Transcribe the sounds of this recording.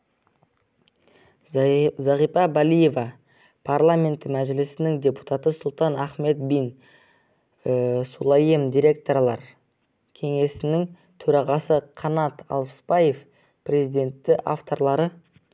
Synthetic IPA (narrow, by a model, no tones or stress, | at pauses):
zɑʁijfɑbalʲije̞vɑ | pʰarlˠamʲe̞nt̪mæʒɪlɪsɪnɪŋd̪ʲe̞pu̥t̪ɑt̪əsʊlˠt̪ɑnæχme̞t̪̚bijn | sulˠɑjemd̪ʲijɾʲe̞k̚t̪o̞ɾlˠɑɾ | kʲʰe̞ŋe̞sɪnɪŋ | t̪ʰɵɾɑʁɑsəqʰɑnɑt̪ɑ̰lˠpə̥spɑje̞f | prʲe̞zijd̪ʲe̞nt̪ːɪʔa̰ft̪o̞ɾlˠɑɾə